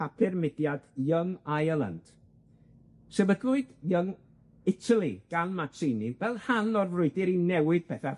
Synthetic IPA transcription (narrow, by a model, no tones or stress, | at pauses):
apʰɪrmɪdjad̥jəŋajəlˠa̰nd̥ | sɛbəɡlˠʊɨdjəŋ | ɪtʰalˠiɡ̥anmatʰɪnivɛlˠhanɔrvrʊɨdɪɾinɛwɪd̥̚pʰɛθa